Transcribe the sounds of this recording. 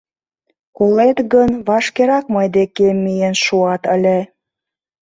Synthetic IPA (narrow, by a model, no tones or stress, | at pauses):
kolet̪ɣənβɑʃkeɾɑk̚mɤjd̪ekemːijenʃuɑt̪əlʲĕ